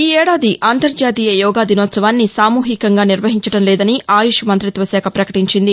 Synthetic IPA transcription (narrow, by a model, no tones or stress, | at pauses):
iːɛːɽaːd̪iʔaːnt̪ɐɾd͡ʒaːt̪iːjɐjɔːɡaːd̪inɔːt̪sɐʋaːnːisaːmuːɦikɐŋɡaːniɾʋɐɦiɲt͡ʃɐɽɐmlɛːd̪ɐniʔaːjuʂumɐnt̪ɾit̪ʋɐsɛːkʰɐpɾɐkɐʈiɲt͡ʃind̪i